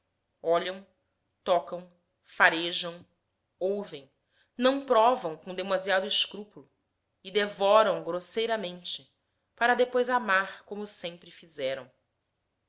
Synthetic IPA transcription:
ɔʎɐ̃w̃ | t̪ɔkɐ̃w̃ | faɾeʒɐ̃w̃ | owvẽj̃ | nɐ̃w̃pɾɔvɐ̃w̃kõd̪emaziad̪ʊɪʃkɾupulʊ | ɪd̪evɔɾɐ̃w̃ɡɾosejɾɐmẽnt͡ʃɪ | paɾɐd̪epojzamaɾkõmʊsẽmpɾɪfizɛɾɐ̰̃w̃

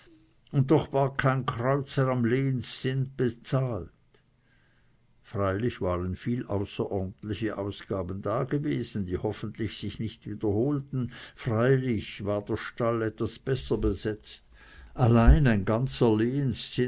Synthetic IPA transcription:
ʊnt̚dɔχvaːɐkʰaɪnkʰʁ̥ɔʏt͡səʁamleːənsːɪnd̚b̥et͡saːlt | fʁaɪlɪçvaːʁənfiːlʔaʊsɐʔɔɐdn̩tlɪçəʔaʊsɡ̥aːbən̩daːɡeveːzn̩diːhɔfən̩tlɪçsɪçnɪçtviːd̥ɐhoːltn̩fʁaɪlɪçvaːɐd̥eːɐʃtalɛtvasb̥ɛsɐbezɛt͡st | ʔalaɪnaɪnɡant͡səleːənst͡sɪ

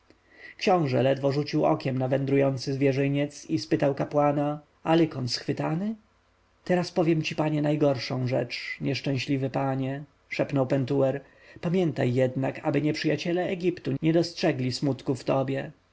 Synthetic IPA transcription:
kɕɔ̃w̃ʐɛlɛd̪vɔʐut͡ɕiwɔ̰kʲɛmnavɛnd̪ɾujɔnt̪sɘzvʲjɛʐɘɲɛt̪sispɘt̪awkapwana | alɘkɔnsxfɘt̪anɘ | t̪ɛɾaspɔvʲjɛmt͡ɕipaɲɛnajɡɔɾʂɔ̃w̃ʐɛ̰t͡ʂɲɛʂt͡ʂɛ̃ɕlʲivɘpaɲɛ | ʂɛpnɔwpɛnt̪uɛɾ | pamʲjɛnt̪a̰jːɛd̪naka̰bɘɲɛpʂɘjat͡ɕɛlɛːɡʲipt̪uɲɛd̪ɔstʂɛɡlʲismut̪kuft̪ɔbʲjɛ

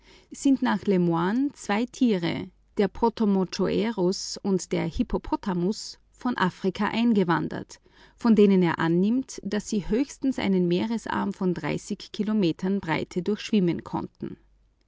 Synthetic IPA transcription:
z̥ɪntnaːχlɛmwaːnt͡sv̥aɪtʰiːʁə̰ | d̥eːɐpʰotomot͡ʃoʔɛʁʊsʊntd̥eːɐhipʰopʰɔtʰamʊs | fɔnʔaːfʁ̥ɪkʰaʔaɪnɡəvandɐ̰t | fɔndeːnəneːɐʔa̰nːɪmtd̥asz̥iːhøːçstn̩sʔa̰ɪnənmeːʁəsʔa̰ɐmfɔndʁa̰ɪsɪçkʰːilomeːtʰɐnbʁaɪtʰədʊɐçʃv̥ɪmənkʰɔ̰ntn̩

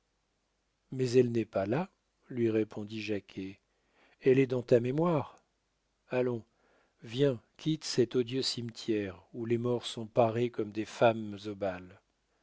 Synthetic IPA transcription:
mɛzɛlnɛpala | lɥiʁepʰɔ̃d̪iʒakʲʰe | ɛlɛd̪ɑ̃t̪amemwaʁ | alɔ̃ | vjɛ̃kʲʰit̪sɛt̪od̪jøsimt̪jɛʁulemɔʁsɔ̃paʁekɔmd̪efamzobal

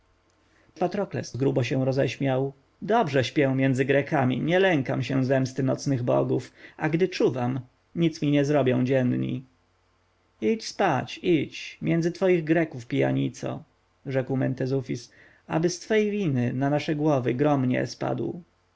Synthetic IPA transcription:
pat̪ɾɔklɛ̰szɡɾubɔɕɛ̃ɾɔzɛɕmʲjaw | d̪ɔbʐɛɕpʲjɛw̃mʲjɛnd̪zɘɡɾɛkamʲḭɲɛlɛŋkamɕɛ̃zɛmst̪ɘnɔt̪snɘɣbɔ̰ɡufʔaɡd̪ɘt͡ʂuvam | ɲit̪smʲiɲɛzɾɔbʲjɔ̃w̃d͡ʑɛnɲḭ | it͡ɕspat͡ɕit͡ɕmʲjʔɛndzɘt̪fɔjiɣɡɾɛkufpʲija̰ɲit̪sɔ̰ | ʐɛkwmɛnt̪ɛzufʲis | a̰bɘst̪fɛjvʲinɘnanaʂɛɡwɔvɘɡɾɔmɲɛ̰spa̰d̪w

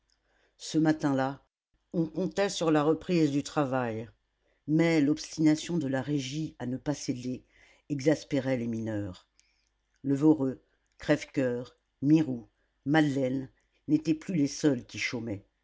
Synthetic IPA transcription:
səmat̪ɛ̃la | ɔ̃kɔ̃t̪ɛsyʁlaʁəpχizd̪yt̪χavaj | mɛlɔpst̪inasjɔ̃d̪əlaʁeʒianəpased̪e | ɛɡzaspeʁɛleminœʁ | ləvɔʁø | kχɛfkʲœʁ | miʁu | mad̪lɛnː | et̪ɛplylesœlkʲiʃomɛ

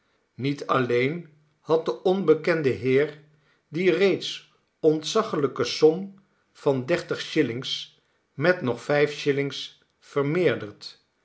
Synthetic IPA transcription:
nitʰɑlejn | hɑt̚dəʔɔnbəkɛndəɦɪːɹ | direjts | ɔntsɑχələkəsɔm | v̥ɑndɛɹtəχʃɪlɪŋs | mɛtnɔχfɛjfʃɪlɪŋs | fəɹmɪːɹdəɹt

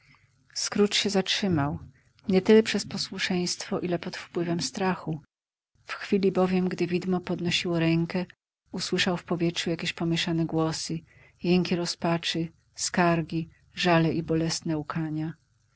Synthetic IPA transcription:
skɾut͡ʂɕɛzatʂɘmaw | ɲɛt̪ɘlɛpʂɛspɔswuʂɛj̃st̪fɔʔilɛpɔt̪fpwɘvɛmst̪ɾaxu | fxfʲilʲibɔvʲjɛmɡd̪ɘvʲid̪mɔpɔd̪nɔɕiwɔɾɛŋkɛ | uswɘʂawfpɔvʲjɛtʂujakʲeɕpɔmʲjɛʂanɛɡwɔsɘ | jɛŋkʲiɾɔspat͡ʂɘ | skaɾɡʲi | ʐalɛʔibɔlɛsnɛukʰaɲa

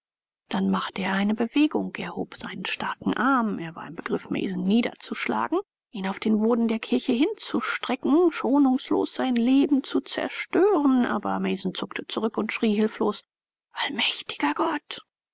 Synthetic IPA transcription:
d̥anmaχtəeːɐʔaɪnəbəveːɡʊ̰ŋkɛɐho̰ːpz̥aɪnənʃtaɐkŋ̩ʔaɐmʔeːɐva̰ːɐɪmbəɡ̥ʁɪfmɛ̰ːzn̩niːdɐ̰t͡suʃla̰ːɡŋ̩ | ʔiːnaʊfd̥eːnboːdn̩deːɐkʰɪɐçəɦɪnt͡suʃtʁ̥ɛkŋ̩ʃoːnʊŋslo̰ːsz̥aɪnleːbm̩t͡sut͡sɛ̰ɐʃtøːʁənʔa̰ːbɐmɛːzn̩t͡sʊktʰət͡suʁʏkʊntʃʁ̥iːɦɪlfloːs | ʔalmɛçtɪ̥ɡ̥ɐɡɔt

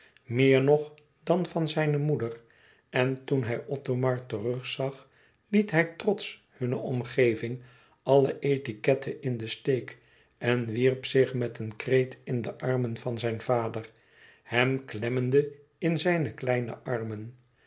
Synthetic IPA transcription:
mɪːɹnɔχ | dɑnvɑnzɛjnəmudər | ɛntunɦɛjʔɔtomɑɹtərɵχsɑχ | litɦɛjtrɔts | hɵnəʔɔmχejvɪŋ | ʔɑləʔejtikɛtʰəʔɪndəstejk | ɛnʋirpsɪχmɛtənkrejtɪndəʔɑrmənvɑnzɛjnv̥aːdər | hɛmklɛməndə | ɪnzɛjnəklɛjnə̰ʔɑɹmən

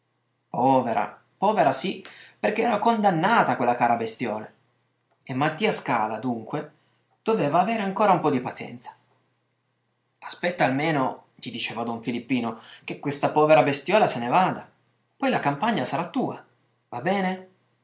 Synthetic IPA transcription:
pɔːveɾʔa̰ | pɔːveɾasiperk̟eɛːɾakond̪anːaːt̪akwelːakaːɾabest̪jɔːle | emːat̪ːiːaska̰ːlad̪uŋkwe | d̪̥oveːvaːveːɾeaŋkoːɾaumpɔd̪ipat̪sjɛ̰nt̪sḁ | aspɛt̪ːaːlmeːno | ʎid̪it͡ʃɛːvad̪ɔɱfilipːiːnok̟ekːwest̪apɔːveɾabest̪jɔːlasenevaːd̪a | pɔjlakampaɲːasaɾat̪ːuːa | vabɛːne

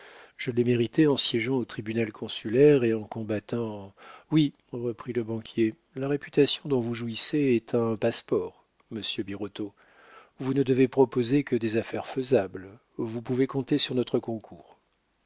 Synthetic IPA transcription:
ʒ̥əlɛmeʁit̪ɛɑ̃sjɛʒɑ̃ot̪χibynalkʰɔ̃sylɛʁeɑ̃kɔ̃bat̪ɑ̃wi | ʁəpχiləbɑ̃kʲʰje | laʁepyt̪asjɔ̃d̪ɔ̃vuʒuiseɛt̪ʰɛ̃paspɔːʁ | məsjøbiʁot̪o | vunəd̪əvepχɔpozekəd̪ezafɛʁfəzabl | vupuvekɔ̃t̪esyʁnɔt̪χəkɔ̃kʰuːʁ

